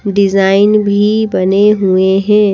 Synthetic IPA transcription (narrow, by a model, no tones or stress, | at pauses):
ɖɪzaːɪnbʱibɐneɦueɦɛ̃ː